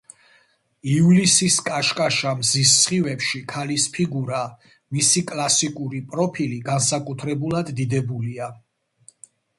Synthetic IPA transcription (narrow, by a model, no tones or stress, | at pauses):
ivlisiskʼaʃkʼaʃamzisːχivɛpʃikʰalispʰiɡuɾa | misikʼlasikʼuɾipʼɾɔpʰiliɡansakʼut̪ʰɾɛbulˠad̪ːid̪ɛbulia